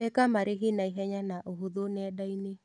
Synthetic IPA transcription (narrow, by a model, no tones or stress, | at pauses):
ɛkamaɾɪɦinaiɦɛɲanaʔoɦoðonɪɛdainɪ